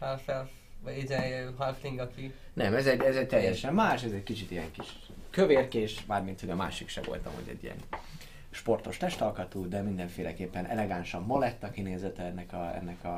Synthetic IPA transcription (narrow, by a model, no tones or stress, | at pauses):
halfɛlf | izɛɦalfliŋɡɒki | nɛmɛzɛɟɛzɛc̚t̪ɛjɛʃɛmːaːʃɛzɛɟkit͡ʃit̪ijɛŋkiʃ | køveːrkeːʃbaːrmint̪ho̞ɟɒma̰ːʃikʃɛ̰vo̞̰lt̪ɒ̰mo̰ɟɛ̰ɟːḭɛ̰n | ʃpo̞rt̪o̞ʃt̪ɛʃt̪ɒlkɒt̪uːd̪ɛmind̪ɛɱfeːlɛkeːpːɛnʔɛ̰lɛɡanʃɒmːolɛt̪ːɒkineːzɛt̪ɛɛnːɛkɒɛ̰nːɛkɒ